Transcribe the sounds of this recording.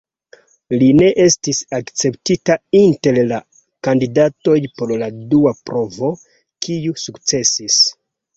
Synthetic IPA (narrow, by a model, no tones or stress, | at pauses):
line̞ʔe̞stisakt͡se̞ptitainte̞lla | kandidato̞jpo̞ɾladuapɾo̞vo̞ | kʰiusukt͡se̞sis